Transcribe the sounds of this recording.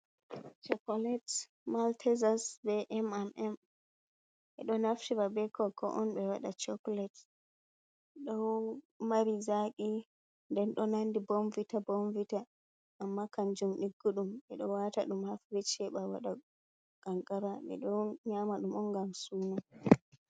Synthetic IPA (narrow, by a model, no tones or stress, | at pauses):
t͡ʃɔkɔlɛt | maltʰɛzasbɛʔɛmɛmʔɛm | ʔɛ̰ɗɔnaftibabɛkʰɔkʰɔ̰ʔɔnɓɛwaɗat͡ʃɔklɛt | ɗɔw | maɾizaki | ndɛnɗɔnandibomvitabomvita | ʔːmːakaɲd͡ʒumɗiɡːuɗumɛɗɔwata̰ɗumhafɾit͡ʃɛɓawa̰ɗa | ɡ̥aŋɡaɾaɓɛ̰ɗɔɲamaɗumɔnɡamsuna